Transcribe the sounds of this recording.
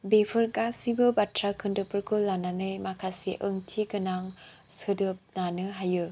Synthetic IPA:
bepʰɯɾkasibɯbatʰɾakʰɯndɯpɯɾkʰɯlːananɯjmakʰasiʔəŋtʰiɡɯnaŋ | sɯdɯp̚nanɯɦajɯ

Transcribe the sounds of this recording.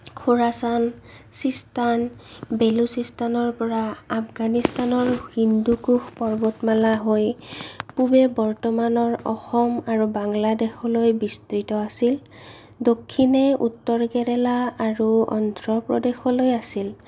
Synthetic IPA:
kʰoɹasansistanbelusistanɔɹpɔɹaapɡanistanɔɹhindukuxpɔɹbɔtmalaɦojpubɛbɔɹtɔmanɔɹɔ̰xɔmaɹubaŋladɛxɔlojbistɹitɔasil | dokʰːinɛʔṵtːɔɹɡɛɹɛlaːɹuɔ̰ndɹɔpɹɔdexɔlojasil

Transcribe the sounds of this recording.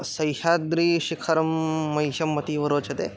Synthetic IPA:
sɐjʃaːd̪ɾiːʃikʰɐɾɐmːɐjʃɐmːɐt̪iːʋɐɾoːt͡ʃʰɐt̪ḛː

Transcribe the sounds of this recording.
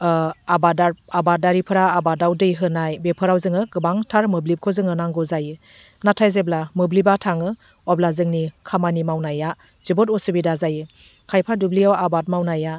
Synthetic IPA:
abadaabat̚daɾipʰɯɾaːbadawdɯjɦɯnajbepʰɯɾawzɯŋɯɡɯbaŋtʰaɾmɯblip̚kʰozɯŋɯnaŋɡɔzajɯ | natʰajzeblamɯblibatʰaŋɯ | ɔblazɯŋnikʰamanimawnaja | z̥ibɔtɔsɯbidazajɯ | kʰajpʰadublijawabat̚mawnaja

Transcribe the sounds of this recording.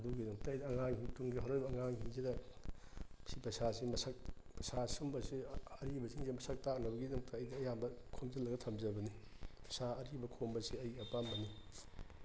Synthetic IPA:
ɐduɡidɐŋtɐɐjdɐːŋaŋhiŋtuŋɡiɦaɾojbɐːŋaŋhiŋzidɐ | sipɐsasimɐsɐk̚ | pɐsasumbɐsiɐɾibɐsiŋzimɐsɐk̚tak̚nɐbɐɡidɐŋtʰɐːjdɐːjambɐkʰomzɐlːɐɡɐtʰɐmzɐbɐni | pɐsaɐɾibɐkʰombɐsiɐjɐpambɐni

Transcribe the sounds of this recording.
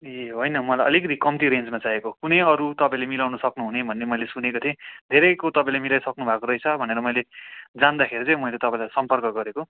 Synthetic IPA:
jeɦojnʌmʌlajʔʌ̰likʌt̪ʰikʌmt̪iɾend͡zmat͡saekokunʌjʌɾut̪ʌpãĩlemilawnʌsʌknuɦunebʱʌnːemʌjlesunekot̪ʰĩd̪ʱeɾʌjkot̪ʌpãĩlajmilajsʌknubʱakoɾʌjt͡sʰʌbʱʌneɾʌmʌjled͡zand̪akʰeɾit͡sʌ̃j̃mʌilet̪ʌpãĩlajsʌmpʌrkʌɡʌɾeko

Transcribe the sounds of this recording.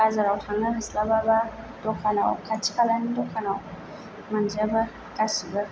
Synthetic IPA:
azaɾawxaŋanəslababa | d̥okanawkat͡ʃi̥kalanidokanaw | mand͡ʒaba | kʼasibə

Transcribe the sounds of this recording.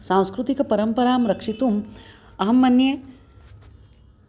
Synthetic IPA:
sãːw̃skɾut̪ikɐpɐɾɐmpɐɾaːmɾɐkʂit̪um | ɐɦɐmːɐnje

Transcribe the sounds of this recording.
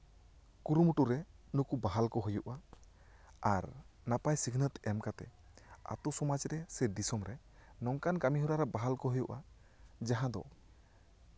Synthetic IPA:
kuɾumuʈuɾɛnukubaɦalkɔɦujuʔa | aɾnapajsikʰnət̪ɛmkat̪ɛ̰ | a̰t̪usɔmad͡ʒɾɛsɛɖisɔmɾɛ | nɔŋkankamiɦuɾaɾɛbaɦalkɔɦujuʔa̰ | d͡ʒaɦãd̪ɔ̰

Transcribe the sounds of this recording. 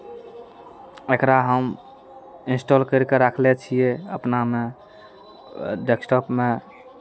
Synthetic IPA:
ekɾaɦəm | insʈolkəɾkeɾakʰlet͡ʃʰijeəpname | ɖeksʈɔpme

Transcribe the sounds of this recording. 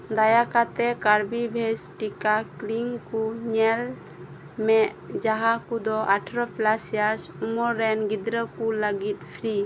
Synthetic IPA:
d̪ajakat̪ɛkaɾbibʱesʈikakliŋkuɲɛl | mɛʔd͡ʒaɦakud̪ɔaʈʰɾɔplasjaɾsumɔɾɛnɡid̪ɾəkuləɡit̪̚pʰɾi

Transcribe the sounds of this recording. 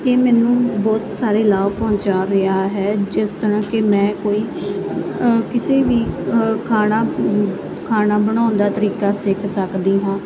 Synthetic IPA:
eːmɛːnũːbɔːt̪saːɾeːlaːʋpɔ̃ːt͡ʃaːɾɪaːɦɛːd͡ʒɪst̪əɾãːkɪmɛ̃ːkoːiː | kɪseːʋiːkʰaːnaː | kʰaːnaːbəɽ̃ãːʊnd̪aːt̪əɾiːkaːsɪkʰsəkd̪iːɦãː

